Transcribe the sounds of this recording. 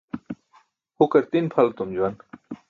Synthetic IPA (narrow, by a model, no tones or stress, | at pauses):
hukɐɾt̪inpʰɐlt̪umd͡ʑuwɐn